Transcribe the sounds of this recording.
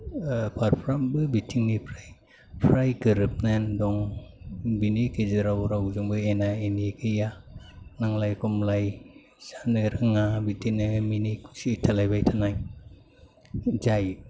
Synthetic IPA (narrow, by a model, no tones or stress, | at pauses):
pʰaɾpʰɾambɯbitʰiŋnipʰɾaj | pʰɾajɡɯɾɯp̚nandɔŋ | binikeziɾawɾawzɯŋbɯenaeniekʰɯjanaŋlajkɔmlaj | sanɯɾɯŋabitʰiŋniminiku̥sitʰalajbajtʰanaj | zaj